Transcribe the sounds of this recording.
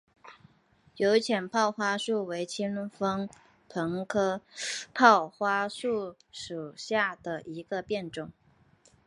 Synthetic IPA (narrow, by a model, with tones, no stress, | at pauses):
jo˧˥ʊt͡ɕʰjɛ˨˩npʰɑ˥˩ʊxwa˥ʂu˥˩we˧˥ɪt͡ɕʰi˥nfɤ˥ŋ | pʰɤ˧˥ŋkʰɤ˥pʰɑ˥˩ʊxwa˥ʂu˥˩ | ʂu˨˩ɕja˥˩d̪̥ə˩ʔi˧˥ɡə˧pjɛ˥˩nʈ͡ʂʊ˥˩ŋ